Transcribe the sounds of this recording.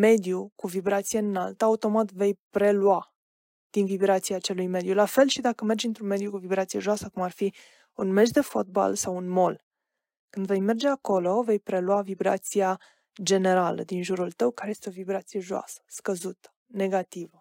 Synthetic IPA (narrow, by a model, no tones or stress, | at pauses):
me̞d̪jukuvibɾat̪sijeɨnalt̪əaut̪o̞mat̪ve̞jpɾe̞lua | d̪̥invibɾat̪siat͡ʃe̞lujme̞d̪julafe̞lʃid̪akəme̞rd͡ʒɨnt̪ɾunme̞d̪jukuvibɾat̪sije̞ʒoasəkumarfi | unme̞ʃd̪e̞fot̪̚ba̰lsawunmo̞l | kɨnd̪ve̞jme̞rd͡ʒe̞ako̞lo̞ve̞jpɾe̞lwavibɾa̰t̪sia | d͡ʒe̞ne̞ɾalə̰d̪inʒuɾult̪əwkaɾeje̞st̪eo̞vibɾat̪sije̞ʒoa̰sə̥skəzut̪ə̥ | ne̞ɡat̪ivə